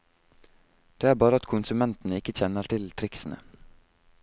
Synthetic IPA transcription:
d̪̥eːæːɾbɑːɾəɑt̪kʰʊnsʉmɛnt̪n̩əɪkːəçɛnəɾʈʰɪlt̪ʰɾɪksn̩ə̰

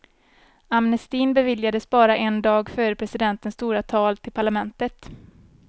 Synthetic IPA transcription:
amnɛst̪iːnbɛvɪljad̪əsbɑːɾaʔɛnd̪ɑːɡfœːɾəpʰɾɛsɪd̪ɛnt̪ənst̪uːɾat̪ʰɑːlt̪ʰɪlpʰaɭamɛnt̪ət̪

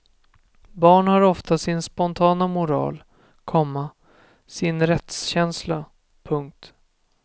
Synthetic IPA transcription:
bɑːɳhaɾɔft̪asɪnspɔnt̪ʰɑːnamʊɾɑ̰ːl | kʰɔmːa | sɪnɾɛt̪sɕɛnsla | pʰɵŋk̚t̪

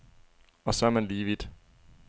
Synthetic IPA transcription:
ɒ̽sɒɐmænliːʋid̪̥

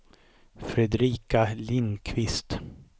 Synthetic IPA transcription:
fɾɛd̪ɾiːkalɪnkʰvɪst̪

